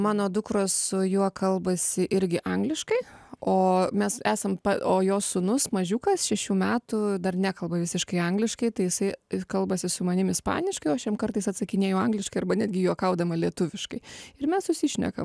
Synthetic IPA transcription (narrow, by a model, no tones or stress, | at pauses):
mɑːnoːd̪ʊkɾoːssʊjuɔkʰɐlˠbɐsʲɪʔɪɾʲɡʲɪʔɐŋɡlʲɪʃkɐɪoːmʲɛsæːsɐmpɐoːjoːssʊnʊsmɐʒʲuːkɐsʃʲɛʃʲuːmʲæːt̪ʊd̪ɐrnʲæːkɐlˠbɐʋʲɪsʲɪʃkɐɪɐŋɡlʲɪʃkɐɪt̪ɐɪjɪsɐɪkɐlˠbɐsʲɪsʊmɐnʲɪmɪspɑ̰ːnʲɪʃkɐɪoːɐʃjʲɛmkɐrt̪ɐɪsɐt̪sɐkʲɪnʲeːjɛʊɐŋɡlʲɪʃkɐɪɐɾbɐnʲæːd̪ʲɡʲɪjuɔkɐʊd̪ɐmɐlʲiɛt̪ʊʋʲɪʃkɐɪɪrmʲɛssʊsʲiʃʲnʲɛ̰kɐ̰m